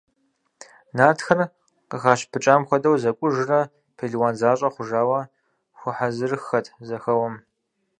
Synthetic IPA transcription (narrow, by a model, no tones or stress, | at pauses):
naːtxɐr | qəxaːʃpʰɨt͡ʃʼaːmxʷɔdɐwzɐkʷʼʊʒɨrɐ | pʰeɮiwaːnzaːɕʼɐχʷʊʒaːwɐ | xʷʊħazɨrɨxɐtʰzɐxɐwɐm